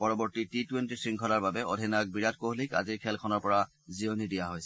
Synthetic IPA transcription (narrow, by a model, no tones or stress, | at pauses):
pɔɹɔbɔɹtititwentisɹiŋkʰɔlaɹbabɛodʱinak̚biɹat̚koɦlika̰ziɹkʰɛlkʰɔnɔɹpɔɹa | zionidijaɦojsɛ